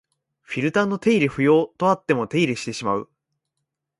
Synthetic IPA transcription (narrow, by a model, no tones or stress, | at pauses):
ɸʲiɾɯ̟t̪ãnːo̞t̪e̞iɾʲiɸɯ̟jo̞ːt̪o̞at̪ːe̞mo̞t̪e̞iɾiɕi̥t̪e̞ɕimaɯ̟